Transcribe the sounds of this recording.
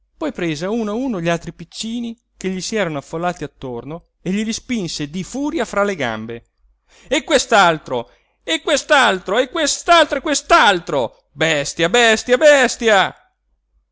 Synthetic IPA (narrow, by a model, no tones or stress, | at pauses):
pɔjpɾeːzauːnauːnoʎialt̪ɾipit͡ʃːiːni | keʎːisiɛːɾanoafːolːaːt̪iat̪ːorno | eʎiɾispinsed̪ifuːɾjafɾaleɡa̰mbe | ekːwest̪alt̪ɾo | ekːwest̪alt̪ɾoekːwest̪alt̪ɾoekwest̪alt̪ɾo | bɛst̪jabɛst̪jabɛst̪ja